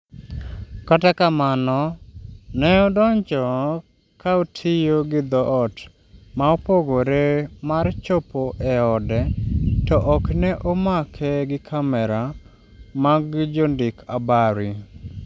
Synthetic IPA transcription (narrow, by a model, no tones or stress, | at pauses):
katakamanɔ | nɛɔdɔɲt͡ʃɔ | kaotʰɪjoɡɪd̪ɔɔt | maopoɡoɾemart͡ʃopoʔɛɔdɛtɔʔɔknɛʔomakʰɛɡɪkʰamɛɾa | maɡd͡ʒondɪkʰabaɾi